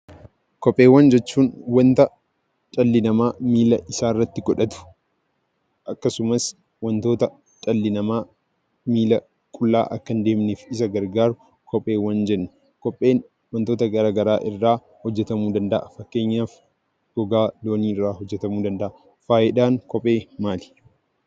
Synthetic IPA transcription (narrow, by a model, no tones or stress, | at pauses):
kɔpʼːe̞ːwːɐnd͡ʒɛt͡ʃːuːnwɐnt̪ɐ | t͡ʃʼɐlːɪnɐmaːmiːlɐʔɪsaːɪrːɐt̪ːɪɡɔᶑɐt̪ʊ̥ | ʔɐkːɐsʊmɐs | wɐnt̪o̞ːt̪ɐ | t͡ʃʼɐlːɪnɐmaː | miːlɐ | kʼʊlːa̰ːʔɐkːɐnd̪e̞ːmnefɪsɐɡɐɾɡaːɾʊ | kʰɔpʼe̞ːwɐnd͡ʒɛnːʊ̥ | kɔpʼːe̞ːn | wɐnt̪o̞ːt̪ɐɡɐɾaːɡɐɾaːʔɪrːaː | hɔd͡ʒːɛt̪ɐmuːd̪ɐnd̪ɐʔɐfɐkːe̞ːɲːaːf | ɡɔɡaːlo̞ːniːɪrːaːhɔd͡ʒːɛt̪ɐmuːd̪ɐnd̪ɐʔɐ | faːjɛᶑaːŋkɔpʼe̞ːmaːlɪ̥